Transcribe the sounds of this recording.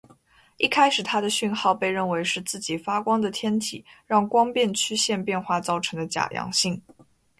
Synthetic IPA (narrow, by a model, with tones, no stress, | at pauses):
i˥˩kʰa˥ɪʂɻ̩˨˩t̪ʰa˥d̪ə˨ɕy˥˧nxɑ˥˧ʊpe˥˧ɪɻə˥˩nwe˧˥ɪʂɻ̩˥˧t͡sɹ̩˥˩t͡ɕi˨˩fa˥kwɑ˥ŋd̪ə˨t̪ʰjɛ˥nt̪ʰḭ˨˩˦ɻɑ˥˩ŋkwɑ˥ŋpjɛ˥˧nt͡ɕʰy˥ɕjɛ˥˧npjɛ˥˧nxwa˥˧t͡sɑ˥˩ʊʈ͡ʂʰɤ˧˥ŋd̪ə˧t͡ɕja̰˨˩jɑ̰˧˥ŋɕi˥˩ŋ